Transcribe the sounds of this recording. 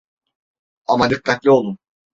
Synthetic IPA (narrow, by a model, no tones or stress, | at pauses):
amad̪ɯkːat̪lʲio̞lˠun